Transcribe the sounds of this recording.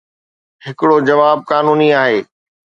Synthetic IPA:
hɪkɪɽod͡ʑɐʋaːb̚kaːnuːniaːɦeː

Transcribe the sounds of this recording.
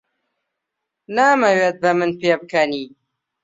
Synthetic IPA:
naːmɐweːt̪̚bɐmɨnpeːbɨkɐniː

